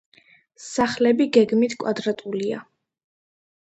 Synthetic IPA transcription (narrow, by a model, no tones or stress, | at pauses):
saχlɛbiɡɛɡmit̪ʰkʼwad̪ɾat̪ʼulia̰